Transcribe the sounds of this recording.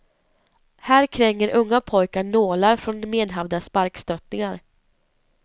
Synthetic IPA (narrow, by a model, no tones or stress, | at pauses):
hæːɾkʰɾɛŋːəɾʔɵŋːapʰɔjkaɳoːlaɾfɾɔnmeːd̪ɦavd̪aspaɾkst̪œt̪nɪŋaɾ